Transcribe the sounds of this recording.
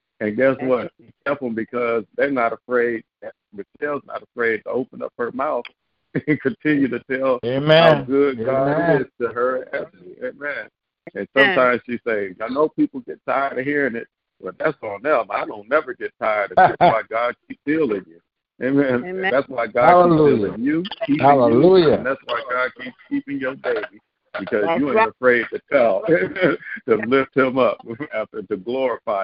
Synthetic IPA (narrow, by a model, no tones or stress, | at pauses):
ɨ̃nɡætswʌtʃi̥tɛlˠpə̃mbɨkʰʌzðẽnəɾəfɹeɪd̪̚ðɨt̚mɨtʰɛlˠznə̰ɾəfɹeɪd̚tʰəoʊpə̃nʌ̰p̚hə˞maʊθ | ɨ̃nkʰɨ̃ntʰɪ̃njʉɾɨtʰɛlˠemɡʊd̚ɡɑɪstʰɨə˞æt̚mieɪmɛ̃n | ɨ̃nsʌ̃mtʰãɪ̃mz̥ʃiseɪzaɪnoʊpipl̩ˠɡɛtʰa̰ɪə˞tɨɦiɹɪ̃ŋɪt̚ | b̥ʌt̪̚ðætsn̩ʌ̃maɪɾõʊ̃nːɛvə˞ɡɛtʰaɪə˞d̚ɨætaɪɡɑd̚kʰipsdilˠɪ̃ŋjʉ | ʔeɪmɛ̃nðætswaɪɡɑiɪ̃ŋjʉkʰiphæɪŋllujɨ̃nðætswaɪɡɑd̚kipskʰipɪ̃ŋjə˞beɪbi | b̥ɨkʌzjɨə̃əfɹeɪd̚tʰɨtʰɛlˠeɪmɛ̃ntɨlɪft̚hɪ̃mʌpæftə˞ɾɨɡlɔɹɨfaɪ